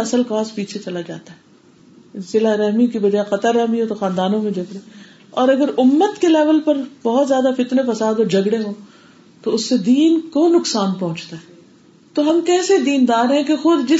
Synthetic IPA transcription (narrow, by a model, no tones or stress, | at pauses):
ɐsəlkaːspiːt͡ʃʰet͡ʃɐlad͡ʒaːt̪aɦɛː | zɪlaɾɛɦmikibɐd͡ʒaːeqɐt̪əɾːɛɦmiɦõt̪oxãːnd̪aːnõmẽd͡ʒɐɡɽeː | ɔːɾɐɡəɾʊmːət̪kelɛːʋəlpɐɾbɔːt̪zjaːd̪afɪt̪nefɐsaːd̪ɔːɾd͡ʒʱɐɡɽeɦõː | t̪oʊsːed̪iːnkonʊksaːnpɔɦʊ̃t͡ʃt̪aɦɛː | t̪oɦɐmkɛːsed̪iːnd̪aːɾɦɛ̃kexʊd̪d͡ʒɪ